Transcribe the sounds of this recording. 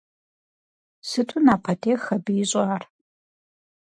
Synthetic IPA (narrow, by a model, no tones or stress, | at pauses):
sɨtʰunaːpʰɐtʰeːxɐbɨjɪɕʼaːr